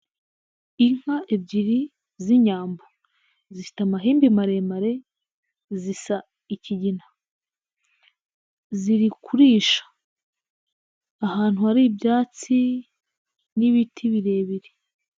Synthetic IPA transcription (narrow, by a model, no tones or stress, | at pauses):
iŋ̥haʔebɟiɾi | ziɲaːmbo | ziʃi̥tamaɦiːmbimaɾe̞maɾe̞ | zisa | iciɟina | ziɾikʰuɾiːʃḁ | haːn̥huaɾibjaːt͡si | niβitʰiβiɾe̞ːβiɾi